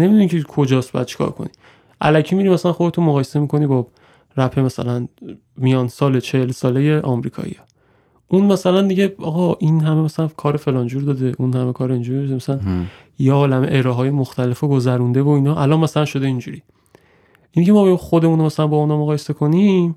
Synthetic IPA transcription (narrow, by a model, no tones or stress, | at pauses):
nemid̪unicʰekʰo̞d͡ʒɒːst̪bɒ̰jæd̪̚t͡ʃʰi̥kʰɒ̰ɾkʰo̰nḭ | ʔæ̰læcʰiːmiːɾimæsælænχo̞d̪e̞t̪ʰunmoɣɒːjese̞miːkʰo̞niːbɒ | ɾæfe̞mæsæ̰læn | mijɒːnsɒːlet͡ʃʰehelsɒːle̞je̞ʔɒmɾiːkʰɒ̰ːḭjɒ | ʔunmæsælænd̪iɟe̞ɒːɣɒʔinɦæme̞mæsælænkʰɒːɾefe̞lɒːnd͡ʒuːɾd̪ɒd̪e̞ʔunhæme̞kʰɒːɾeind͡ʒuɾieemæsælænn | jeɒːlæmeʔeɾɒːɦɒːje̞moxt̪ʰæle̞foɡozæɾund̪e̞vo̞inɒʔælɒːnmæsælænʃo̞d̪eind͡ʒuɾiː | ʔinicʰe̞mɒːbejɒmxo̞d̪e̞mũnoæsælænbɒunhɒːmoɣɒːje̞se̞kʰo̞nim